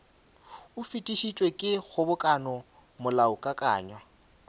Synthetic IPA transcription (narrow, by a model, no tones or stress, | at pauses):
ʊfitʼiʃit͡ʃʼwekʼɪɣʊbʊkʼanɔ | mʊlaʊkʼakʼa̰ːɲwa